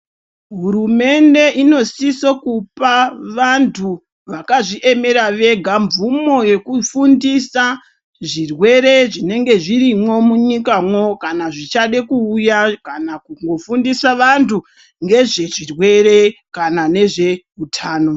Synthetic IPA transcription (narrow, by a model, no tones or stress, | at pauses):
ɦuɾume̞nde̞ʔino̞sisokupaʋantʰu | ʋakaʐiʔe̞me̞ɾaʋe̞ɡʱaɱvumo̞je̞kufundisa | ʐirwe̞ɾe̞ʐine̞ŋɡe̞ʐiɾimwo̞muɲikamwo̞kanaʐit͡ʃaɗe̞kuːjakanakuŋɡo̞fundisaʋantʰu | ŋɡe̞ʐe̞ʐirwe̞ɾe̞kanane̞ʐe̞ | utʰaːno̞